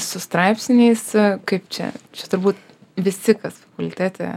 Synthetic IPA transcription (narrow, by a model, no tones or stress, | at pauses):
sʊst̪ɾɑɪpsʲɪnʲɛɪskɐɪpt͡ʃʲɛ̰t͡ʃʲɛt̪ʊɾbuːt̪ | ʋʲɪsʲɪkɐsfɐkʊlʲt̪ʲæːt̪ʲɛ̰ː